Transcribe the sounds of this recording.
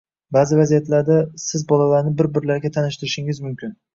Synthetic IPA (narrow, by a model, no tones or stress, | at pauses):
baːzɪvazijat̪laɾd̪asɪzbɒlalaɾnɪbɪɾbɪɾlaɾɡʲat̪ʰanɪʃt̪ɪɾɪʃɪŋɪzmʊmkʲʰɪn